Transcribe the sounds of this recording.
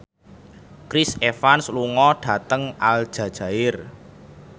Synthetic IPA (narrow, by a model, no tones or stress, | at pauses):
kɾɪsefansluŋɔɖ̥ä̤t̪əŋald̥ʒ̥ä̤d̥ʒ̥a̤ɪr